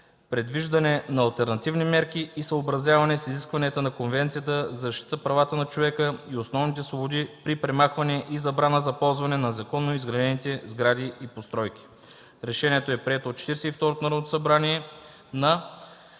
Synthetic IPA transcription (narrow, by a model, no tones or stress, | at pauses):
pɾɛd̪viʒd̪ɐnɛnɐːlˠt̪ɛɾnɐt̪ivnimɛɾkiːsəobɾɐzʲjavɐnɛsiziskvɐnɛt̪ənɐkonvɛnt̪sijət̪əzɐzɐʃt̪it̪əpɾɐvat̪ənɐt͡ʃovɛkəiosnɔvnit̪ɛsvobod̪ipɾipɾɛmaxvɐnɛʔizɐbɾanəzɐpɔlˠzvɐnɛnɐzɐkɔnːoizɡɾɐd̪ɛnit̪ɛzɡɾad̪iʔipost̪ɾɔjk̟ʲi̥ | ɾɛʃɛniɛt̪oɛpɾʲiɛt̪oːt̪t͡ʃɛ̥t̪iɾsɛift̪ɔɾot̪onɐɾɐvnot̪o̥sɐbɾaniɛ | nɐ